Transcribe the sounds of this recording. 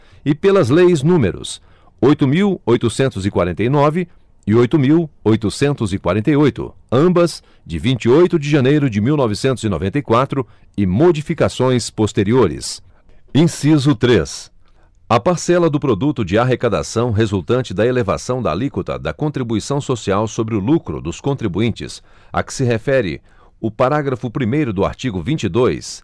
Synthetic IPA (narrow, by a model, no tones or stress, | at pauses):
ɪpelɐzlejznũmḛɾʊ̰s | ojt̪ʊmiwojt̪ʊsẽnt̪ʊzɪkwaɾẽnt̪ejnɔvɪ | ɪojt̪ʊmiwojt̪ʊsẽnt̪ʊzɪkwa̰ɾẽnt̪ejojt̪ʊ̰ɐ̃bɐz | d͡ʒɪvĩnt͡ʃiojt̪ʊd͡ʒɪʒɐnejɾʊd͡ʒɪmiwnɔvɪsẽnt̪ʊzino̰vẽnt̪ejkwat̪ɾʊ | ɪmod͡ʒifikasõj̃spost̪eɾioɾɪ̰s | ẽsizʊt̪ɾes | ɐpaɾsɛlɐd̪ʊpɾod̪ut̪ʊd͡ʒɪaɦekad̪a̰sɐ̃w̃ɦezuwt̪ɐ̃nt͡ʃɪd̪ɐeleva̰sɐ̃w̃d̪ɐ̰likut̪ɐ̰d̪ɐkõt̪ɾibuisɐ̃w̃sosiawsobɾɪʊlukɾʊ̰d̪ʊskõnt̪ɾibuĩnt͡ʃɪ̰s | ɐ̰kɪ̥sɪɦefɛɾɪ̰ | ʊpaɾaɡɾɐfʊpɾimejɾʊd̪ʊa̰ɾt͡ʃiɡʊvĩnt͡ʃid̪ojs